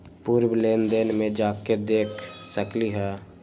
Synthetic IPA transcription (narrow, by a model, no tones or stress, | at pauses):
puːɾwleːnd̪eːnmẽd͡ʒaːked̪eːkʰsəkliɦɛː